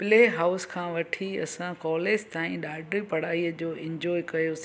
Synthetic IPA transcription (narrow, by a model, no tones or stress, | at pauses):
pɪleːɦaːʊskʰãːʋɐʈʰiɐ̰sãkɔːleːd͡ʑt̪aːĩɗaːɖɾipɐɽ̤aːiəd͡ʑoːɪ̃ɲd͡ʑɔːjkɐjos